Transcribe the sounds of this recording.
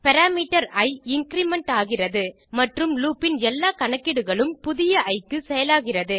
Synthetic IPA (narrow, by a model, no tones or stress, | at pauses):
pɐɾaːmiːʈɐɾɐɪɪŋkɾiːmɛɳʈaːɣɪrɐðɯ | mɐʈrɯmluːpːɪnɛlːaːkɐɳɐkːɪɽɯɣɐɭɯmpʊðɪjɐʔɐɪkːɯsɛjɐlaːɣɪrɐðɯ